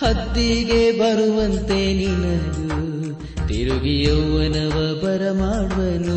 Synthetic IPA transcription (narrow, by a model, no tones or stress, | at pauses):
hɐd̪ːiɡebɐɾuʋɐnt̪eninɐɡu | t̪iɾuɡijɐʋːɐnɐʋɐbɐɾɐmaːɽʋɐnu